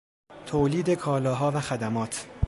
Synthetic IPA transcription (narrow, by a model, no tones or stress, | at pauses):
t̪ʰoːliːd̪ekʰɒːlɒːɦɒːvæxæd̪æmɒːt̪ʰ